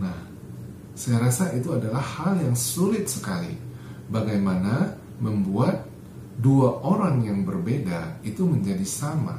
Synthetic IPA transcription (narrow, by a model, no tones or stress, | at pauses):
nah | sajɾasaʔit̪uadalahːaljaŋsulɪt̪̚səkalḭ | baɡajmana | məmbuat̪̚ | duaʔoɾaŋjaŋbərbedait̪uməɲd͡ʒadisama̰